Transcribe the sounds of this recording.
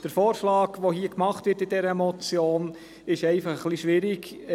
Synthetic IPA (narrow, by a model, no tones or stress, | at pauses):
d̥əɾfɔːɾʃlɑːɡʋoɦiəkmɑχtʋɪtɪdɛɾəmɔt͡sjoːn | ɪʃɛɪfɑχəχliʃʋɪɾiɡ